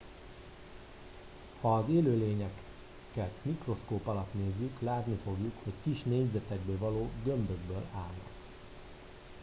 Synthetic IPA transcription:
hɒːzeːløːleːɲɛk | kɛt̪mikro̞skoːpɒlɒt̪neːzːyklaːt̪nifo̞ɡjukho̞ckiʃneːɲzɛt̪ɛɡ̚bøːvɒloːɡønd̪øɡbøːlaːlnɒ̰k

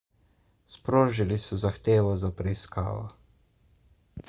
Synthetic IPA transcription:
spɾoːʒilisɔzaxt̪eːʋɔzapɾɛiska̰ːʋɔ̰

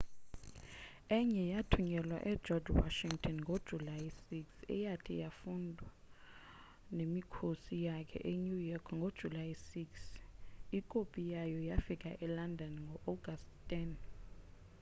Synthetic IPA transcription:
ɛɲɛjatʰuɲɛlwa̰ʔɛ̥d͡ʒɔd͡ʒwa̰ʃiŋtʼʰɔnŋɡʱod̥ʒ̥ʱulajsiksɛ̰jatʰijafundʱwa | nemikʰosijakʰɛ̰ʔeɲujɔkʰŋɡʱod̥ʒ̥ʱulajisiksikʼopʼijajɔjafikʼa̰ʔɛlandʱɔnŋɡʱɔʔɔɡʱastʰʼɛn

